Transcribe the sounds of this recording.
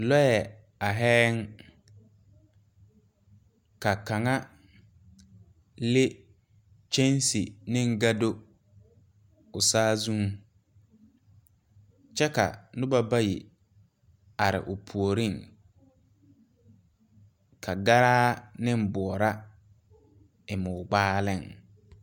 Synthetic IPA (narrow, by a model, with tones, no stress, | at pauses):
lɔ˦jɛ˨ | a˨ɦɛː˦ŋ | ka˨ka˨ŋa˦ | lɪ˦ | t͡ʃe˦n˦si˨nɪ̃˦ŋ˦ɡa˦do˦ | ʊ˨saː˦zũ˦ŋ˨ | t͡ʃɛ˦ka̰˨nʊ˦ba˦ba˦ji˨ | a˨ɾɪ̰˨ʔʊ˨pʰu˨o˨ɾi˦ŋ | kʰa˨ɡa˦ɾaː˦nɪ˦m˦˨bɔ˨ɔ˨ɾa˦ | ɪ˨mʊː˨ɡ͡baː˦lɪ˦˨ŋ